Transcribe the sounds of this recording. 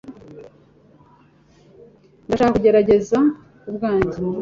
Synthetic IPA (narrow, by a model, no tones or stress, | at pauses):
ndaʃaːkakuɟe̞ɾaɟe̞za | ubɡaːɲzi